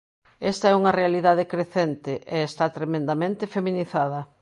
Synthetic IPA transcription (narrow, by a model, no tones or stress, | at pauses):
ɛst̪ɐɛuŋɐrealiðaðekɾeθent̪ɪʔeːst̪at̪ɾemẽnd̪amẽnt̪ɪfemĩniθað̞ɐ